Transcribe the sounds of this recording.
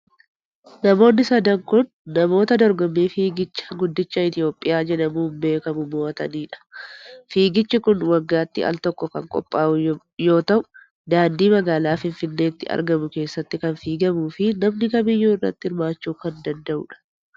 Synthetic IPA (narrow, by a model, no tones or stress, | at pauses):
nɐmo̞ːnːɪsɐd̪ɐŋkʊnːɐmo̞ːt̪ɐd̪ɔɾɡɔmːiːfiːɡɪt͡ʃːɐ̥ɡʊd̪ːɪt͡ʃːɐɪt̪ɪjo̞ːpʼːɪjaːd͡ʒɛnɐmuːmbe̞ːkɐmʊmoːɐt̪ɐniːᶑɐ̥fiːɡɪt͡ʃːɪkʊnwɐɡːaːt̪ːɪɐ̰lt̪ɔkːɔkɐŋkʼɔ̰pʼːaːʔʊ | jo̞ːt̪ɐʔʊ̥ | d̪aːnd̪iːmɐɡaːlaːfɪnfɪnːe̞ːt̪ːɪɐ̰ɾɡɐmʊke̞ːsːɐt̪ːɪkɐnfiːɡɐmuːfɪnɐmnɪkɐmɪjːuːɪrːɐ̰t̪ːɪɪɾmaːt͡ʃːuːkɐnd̪ɐnd̪ɐʔʊ̰ᶑɐ̥